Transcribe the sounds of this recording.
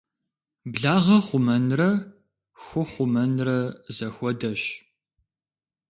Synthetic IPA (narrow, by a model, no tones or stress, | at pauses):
bɮaːʁɐχʷʊmɐnrɐ | xʷʊχʷʊmɐnrɐzɐxʷɔdɐɕ